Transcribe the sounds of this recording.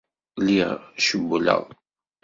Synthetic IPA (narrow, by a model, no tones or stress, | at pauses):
liʁʃəbːulə̰ðˤ